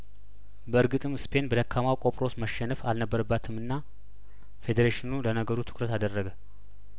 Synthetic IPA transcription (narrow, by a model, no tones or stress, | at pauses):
bəɨɾɡɨt̪ʼɨmɨspʰe̞nbəd̪əkʰːamawkʼo̞pʼɾo̞sməʃːɛnəfalnəbːəɾəbːat̪ʰɨmɨnːa | fe̞d̪eɾeʃɪnulənəɡəɾut̪ʰɨ̥kɾət̪ad̪ərːəɡə